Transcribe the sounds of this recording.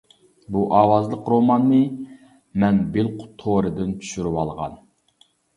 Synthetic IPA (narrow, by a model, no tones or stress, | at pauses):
buʔɑːwɑzlˠəqɾomɑnːɨ | mɛnbɪlˠqʰʊ̥t̪ʰoɾɨd̪ɪnt͡ʃ̪ʰy̥ʃyɾywɑlˠʁɑ̰n